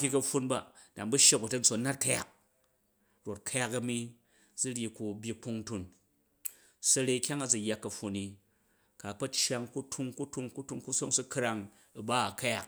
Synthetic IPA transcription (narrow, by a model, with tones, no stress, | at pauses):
kʲi˦kɐ˧ɸːu˧nba˨ | da˨mbu˦ʃe˦kbu˨tɐ˦n̩˦so˨˦na˦ta˨ja̰˨k̚ | ɾo˨t̚kʰa˦ja˦kɐ˨mi˧ | d͡zu˦ɾʲji˨ku˧bʲji˧k͡pu˦ŋtu˨n | sɐ˨˧ɾe˧kʲa˦ŋa˦˨d͡zu˨jːa˦kːɐ˨ɸu˧ni˨ | ka˨k͡pɐ˦t͡ʃja˧ŋku˦tʰu˧ŋku˦tʰu˧ŋku˦tu˦ŋku˦so˦ŋsu˦kɾa˧ŋ˨ | ba˦a˨ka˦ja˨k